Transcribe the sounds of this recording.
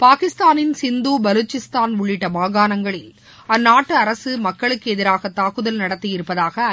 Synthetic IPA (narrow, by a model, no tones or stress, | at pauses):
paːkɪst̪aːnɪnsɪnd̪uːbɐluːt͡ʃːɪst̪aːnʊɭːɪʈːɐmaːɣaːnɐŋɡɐɭɪl | ɐnːaːʈːɯɐɾɐsɯmɐkːɐɭɯkːɯɛðɪɾaːɣɐt̪ːaːkɯðɐlnɐɽɐt̪ːɯjɪɾɯpːɐðaːɣɐ